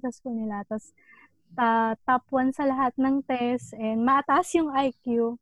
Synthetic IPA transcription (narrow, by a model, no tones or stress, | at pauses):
t̪ɐskʊnɪlat̪ɐs | t̪at̪ɐpwɐnsɐlɐɦat̪̚nɐŋt̪ɛst̪ʔɛnd̪mɐʔɐt̪aʔsjʊŋʔajkju